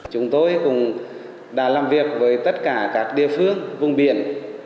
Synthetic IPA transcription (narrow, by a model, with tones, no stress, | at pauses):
t͡ɕʊ˨˦ŋ͡mt̪o˧jkʊ˨˩ŋ͡m | ɗa̰ː˧˩laː˨˩mvi˨˩ək̚vəː˨˦jt̪ə˦˥t̚kaː˧˩kaː˦˥k̚ɗḭ˧˨əfɨ˧əŋvʊ˨˧˩ŋ͡mɓi˧˩˨ən